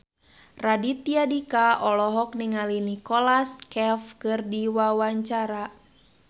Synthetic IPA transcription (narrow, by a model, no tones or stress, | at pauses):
radit̪iadikaɔlɔɦɔk̚niŋalinikɔlaskɛfkɨrdiwawaɲt͡ʃaɾa